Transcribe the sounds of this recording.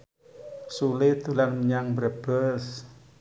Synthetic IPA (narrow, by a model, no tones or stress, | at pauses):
sulɪd̪̥ulanməɲaŋbɾəb̥əs